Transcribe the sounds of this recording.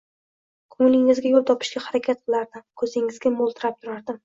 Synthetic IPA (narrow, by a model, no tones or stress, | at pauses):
kʰʊŋlɪŋɪzɡʲajolˠt̪ʰɒpʰɪ̥ʃɡʲahaɾakʲʰat̪̚qʰɨlˠaɾd̪ɪmkʰɵzɪŋɪzɡʲamolˠt̪ʰɪɾap̚t̪ʰʊɾaɾd̪ɪm